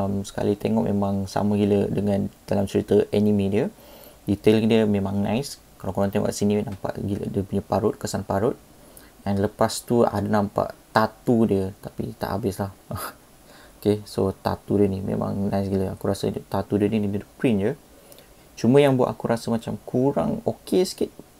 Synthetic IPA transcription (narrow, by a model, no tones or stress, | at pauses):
msə̥ka̰lit̪eŋɔʔmḛmãŋsa̰məɡilədəŋand̥alamt͡ʃəɾit̪əʔɛnimĩdiə | it̪elkdiəmẽmãŋnã̰is | kalakoɾɔ̃nt̪ɛŋɔ̰ʔaʔsininampa̰ʔɡilə̰diəpuɲapaɾʊt̪̚kəsanpaɾʊt̪̚ | ɛnləpast̪ua̰dənampa̰ʔt̪at̪udiət̪apḭt̪a̰ʔa̰bɪslah | okesot̪a̰t̪udiənimḛma̰ŋnãjs̬ɡiləakuɾasə̰t̪at̪udiəninididəpɾind͡ʒə | t͡ʃumə̃jaŋbua̰ʔ̪akuɾasəmat͡ʃamkʰuɾa̰ŋokesə̥kit̪̚